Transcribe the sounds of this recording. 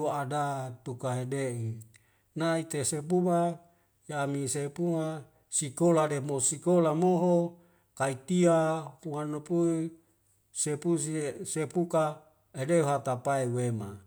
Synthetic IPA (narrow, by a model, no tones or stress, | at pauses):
uadat̪ukaɦedeʔi | nait̪esepuma | jaːmisepuma | sikolademosikolamoɦo | kait̪iaumanopui | sepusisepuka | edeuɦat̪apaewema